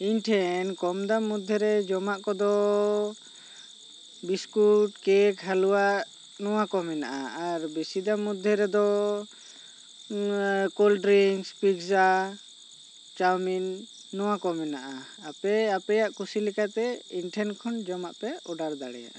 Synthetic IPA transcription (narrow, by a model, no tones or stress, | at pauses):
inʈʰɛnkɔmd̪amud̪ʱːɛɾɛd͡ʒɔmaʔkɔd̪ɔ | biskuʈkɛkɦaluwaʔ | nɔwakɔmɛna̰ʔa̰aɾbisid̪amud̪ʱːɛɾɛd̪ɔ | kolɖɾiŋspiɡsa | t͡ʃawminː | ɔwakɔmɛnaʔa | apɛapɛjaʔkusilikat̪ɛinʈʰɛnkʰɔnd͡ʒɔmaʔpɛɔɖaɾd̪a̰ɽɛ̰ja̰ʔa